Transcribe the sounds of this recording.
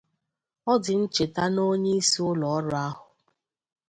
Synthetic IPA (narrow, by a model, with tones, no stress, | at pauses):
ɔ˦dɪ˨n̩˦t͡ʃe˨ta˦no˦ɲe˦i˦si˦ʊ˦lɔ˨ɔ˦ɾʊ˦a˦ɦʊ˨